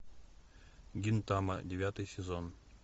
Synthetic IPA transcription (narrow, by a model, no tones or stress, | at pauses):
ɡʲint̪amə̰dʲɪvʲat̪ɨjsʲɪzon